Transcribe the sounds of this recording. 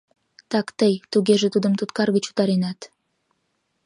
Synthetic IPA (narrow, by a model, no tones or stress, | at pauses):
t̪ɑkt̪əjt̪uɡʲeʒɘ̆t̪ud̪ə̆mt̪ut̪kɑɾɡit͡ɕu̥t̪aɾinat̪